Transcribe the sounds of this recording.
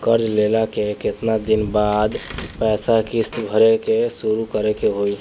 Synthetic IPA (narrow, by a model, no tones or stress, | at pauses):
kəɾd͡ʒlelakeket̪nad̪inbad̪pɛːsakist̪bʱəɾekesuɾukəɾekeɦoi